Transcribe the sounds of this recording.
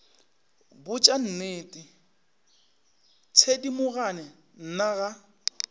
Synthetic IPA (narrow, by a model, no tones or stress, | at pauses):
bʊt͡ʃʼan̩neːtʼi | t͡sʰedimʊɣanɛ | n̩naɣa